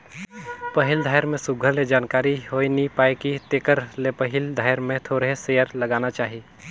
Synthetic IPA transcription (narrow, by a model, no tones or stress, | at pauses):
pəɦɪld̪ʱaːjɾmẽsʊɡʱəɾled͡ʒaːnkaːɾiɦoːinipaːekit̪eːkəɾlepəɦɪld̪ʱaːɪɾmẽt̪ʰoːɾɦesejəɾləɡaːnat͡ʃaːɦi